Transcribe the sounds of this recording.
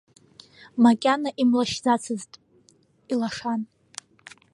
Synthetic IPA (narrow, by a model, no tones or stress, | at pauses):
makʲʼanaʔimlaʃd͡zat͡sʰɨztʼ | ilaʂan